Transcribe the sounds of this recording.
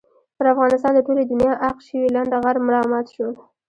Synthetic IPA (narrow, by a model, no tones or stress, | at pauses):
pəɾafɣɑnɪst̪ɑnd̪əʈoled̪ʊnjɑʔaqʃəwilaɳɖaɣaɾmʊlɑmɑt̪ʃol